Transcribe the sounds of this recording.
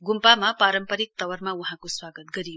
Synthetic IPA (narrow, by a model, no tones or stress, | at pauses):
ɡumpamapaɾʌmpʌɾik̚t̪ʌwʌɾmauɦãkoswaɡət̪̚ɡʌɾijo